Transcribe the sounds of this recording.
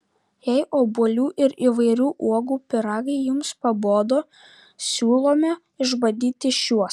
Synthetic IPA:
jɛɪʔoːbuɔlʲuːʔɪɾiʋɐɪɾʲuːʔuɔɡuːpʲɪɾɑːɡɐɪjʊmspɐboːd̪oː | sʲuːlˠoːmʲɛ | ɪʒbɐd̪ʲiːt̪ʲɪʃʲuɔs

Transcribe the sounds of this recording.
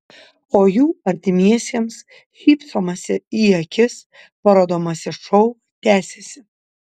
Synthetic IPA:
oːjuːɐɾʲt̪ʲɪmʲiɛsʲiɛms | xʲiːpsomɐsʲɪiɐkʲʰɪs | pɐɾoːd̪oːmɐsʲɪʃɔʊ | t̪ʲæːsʲesʲɪ

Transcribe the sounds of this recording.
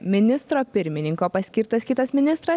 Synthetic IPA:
mʲɪnʲɪst̪ɾoːpʲɪɾʲmʲɪnʲɪŋkoːpɐsʲkʲɪɾt̪ɐskʲɪt̪ɐsmʲɪnʲɪst̪ɾɐ

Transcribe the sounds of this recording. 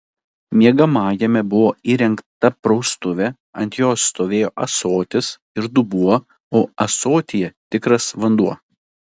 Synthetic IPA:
mʲiɛɡɐmɑːjɛmʲɛbʊʋoːiːɾʲɛŋkt̪ɐpɾɒʊst̪ʊʋʲɛ | ɐnʲt̪ʲjoːsːt̪oːʋʲeːjoːʔɐsoːt̪ʲɪs | ɪɾd̪ʊbuɔ | oːɐsoːt̪ʲɪjɛt̪ʲɪkɾɐsʋɐnd̪uɔ

